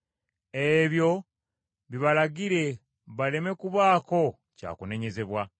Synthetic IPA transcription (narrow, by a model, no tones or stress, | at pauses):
e̞βjo̞ | βiβalaɡiɾe̞ | βale̞me̞kuβaːko̞ | ca̰ːkune̞ɲe̞ze̞βwa